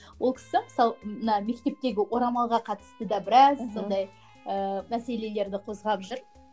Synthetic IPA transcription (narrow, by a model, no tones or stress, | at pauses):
wolˠkʲʰɪ̥sɪməsɑlˠmənɑme̞kt̪e̞p̚t̪e̞ɡʲɪwo̞ɾɑmɑlˠʁɑqʰɑt̪ə̥st̪əd̪ɑbɪɾɑssːo̞nd̪ɑj | əmæse̞le̞le̞ɾd̪ɪqʰo̞zʁɑpʒʊɾ